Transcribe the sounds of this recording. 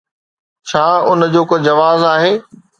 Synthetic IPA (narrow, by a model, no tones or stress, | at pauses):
t͡ɕʰaːʊn̆d͡ʑoːkod͡ʑɐʋaːzaːɦeː